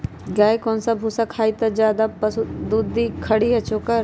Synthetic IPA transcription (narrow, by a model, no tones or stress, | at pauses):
ɡaːikoːnsabʱusakʰaːit̪ɐd͡ʒjaːd̪apɐsd̪uːd̪ikʰɐɽiɐt͡ʃokɐɾ